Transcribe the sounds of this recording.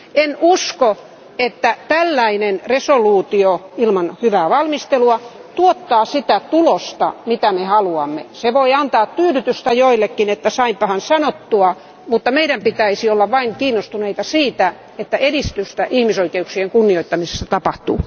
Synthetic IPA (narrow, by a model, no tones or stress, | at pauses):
enusko | et̪ːæt̪ælːæinenresoluːt̪ioilmɑnhyʋæːʋɑlmist̪eluɑt̪uot̪ːɑːsit̪æt̪ulost̪ɑ̰mit̪æmehɑluɑmːḛseʋoiɑnt̪ɑːt̪t̪yːlyt̪yst̪æjoilːekːinet̪ːæsɑimpɑhɑnsɑnot̪ːuɑ | mut̪ːɑmeiɾæmpit̪æisiolːɑʋʋɑiŋkiːnːost̪uneit̪ɑsiːt̪æ | et̪ːæʔedist̪yst̪æʔihmisoikeuksieŋkunːioit̪ːɑmise̥st̪æt̪ɑpɑht̪ṵː